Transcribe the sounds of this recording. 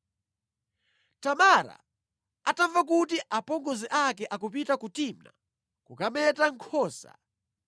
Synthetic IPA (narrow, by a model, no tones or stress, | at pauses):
tamaɾa̰ | atavakutiʔapɔŋɡɔziʔakɛʔakupitakutimna̰ | kukamɛtaŋkʰɔːsa̰